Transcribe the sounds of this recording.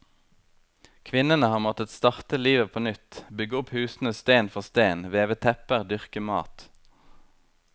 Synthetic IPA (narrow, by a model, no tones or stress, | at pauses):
kʰʋɪnənəhɑːʁmɔt̪ət̪st̪ɑʁt̪əliːʋəpʰoːnʏt̪bʏɡəʊphʉːsn̩əst̪eːnfɔʁst̪eːnʋeːʋət̪ʰɛpəʁd̪ʏʁkəmɑ̰ːt̪